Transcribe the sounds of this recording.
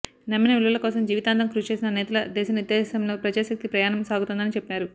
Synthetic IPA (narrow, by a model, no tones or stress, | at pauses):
nɐmːinɐʋiɭːɐlɐkɔːsɐmd͡ʒiːʋit̪aːnd̪ɐmkɾuːst͡ʃe̞ːs̬inɐnɛːt̪ɐlɐd̪ɛːʃɐniɾd̪ɛːsɐmlo̞ːpɾɐd͡ʒaːʃɐk̚t̪ipɾɐjaːnɐmsaːɡut̪und̪ɐnit͡ʃepːaːɾu